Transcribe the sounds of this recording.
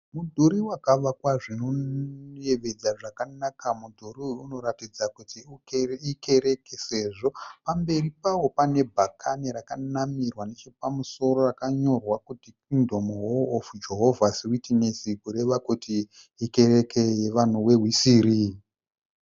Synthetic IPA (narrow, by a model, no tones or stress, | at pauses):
mudʱuɾiwakaʋakwaʐinoje̞ʋe̞d͡zaʐakanakamudʱuɾiuno̞ɾatid͡zakutiuike̞ɾe̞kese̞ʐo̞pambe̞ripawo̞pane̞bʱakʰaniɾakanamirwanet͡ʃepamuso̞ɾo̞rakaɲo̞rwakutikindomuwoːfud͡ʒe̞ɦo̞vʱasiwitinesikuɾe̞ʋakutiː | ke̞ɾe̞keje̞ʋan̤uwe̞ɦwisiːɾi